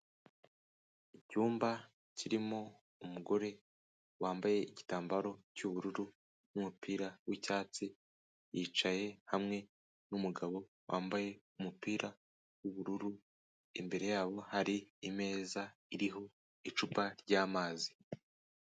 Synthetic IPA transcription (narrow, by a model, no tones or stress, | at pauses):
icuːmba | cʰiɾimo̞ | umuɡo̞ɾe̞ | waːmbaje̞ici̥taːmbaɾo̞cuβuɾuɾu | numupiːɾawicaːt͡si | jit͡ʃaje̞hamŋe̞ | numuɡaβo̞ | wʔaːmbaje̞ | umupiːɾa | wuβuɾuɾu | imbe̞ɾe̞jaːβo̞haɾiime̞ːzaiɾiɦo̞ | it͡ʃupaɾɟaːmaːzi̥